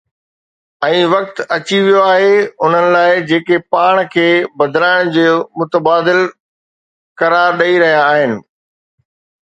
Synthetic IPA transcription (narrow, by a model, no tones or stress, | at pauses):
ɛ̃ːʋɐk̚t̪ɐt͡ɕiʋijoaːɦeʊn̤ənɪ̆laːɪd͡ʑeːkepaːɽ̃kʰeːbɐd̪ʱɪlaːɪɽ̃d͡ʑoːmʊt̪əbaːd̪ɪl | kɐɾaːɾɗɐiɾɐɦijaːɦɪnɪ̆